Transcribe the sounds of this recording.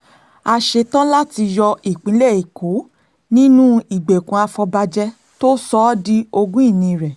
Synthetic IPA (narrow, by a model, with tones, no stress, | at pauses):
a˧ʃe˧tã˦la˦ti˧jɔ˧i˨k͡pĩ˨˦lɛ˦˨i˨kʰo˨˦ | nĩ˦nũ˦i˨ɡ͡be˨kũ˨˦a˧fɔ˧ba˧d͡ʒɛ˦ | to˦sɔ˦di˦o˧ɡũ˦i˦˨nĩ˧ɾɛ˨